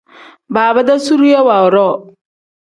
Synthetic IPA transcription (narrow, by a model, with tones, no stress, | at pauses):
baː˨ba˦da˦su˦ɾu˦jɛ˦wa˨ɔ˨ɾɔ˦˨